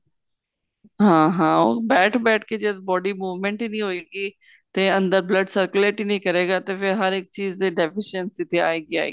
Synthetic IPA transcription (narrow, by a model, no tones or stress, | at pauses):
ɦãːɦãːobɛːʈʰbɛːʈʰked͡ʑeːt̪bɔːɖimuːʋmẽɳʈiːnĩɦoiːɡi | t̪ẽɐ̃nd̪əɾblɐɖsɐɾkʊleːʈiːnĩkɐɾeːɡat̪ɐfɪɾɦɐɾɪk̚t͡ɕiːzeɖefɪʃənsit̪ʰea̰ːeːɡia̰ːḛ